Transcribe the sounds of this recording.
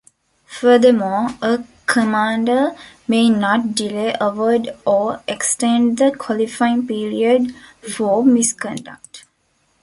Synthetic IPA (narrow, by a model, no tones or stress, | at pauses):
fəd̪əmɔːəkʰəmãːɳɖəmeːnɔʈ̚ɖileːʔəʋəɖɔːeksʈẽɳɖd̪əkʰɔlifaɪ̃ŋpiːɾiəɖfɔːmiskɔ̃ɳɖa̰k̚ʈ